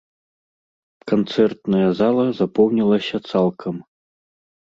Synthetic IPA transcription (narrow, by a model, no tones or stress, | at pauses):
kant̪sɛrt̪nɐjɐzalˠɐzapɔwnʲilˠɐsʲɐt̪salˠkʰɐm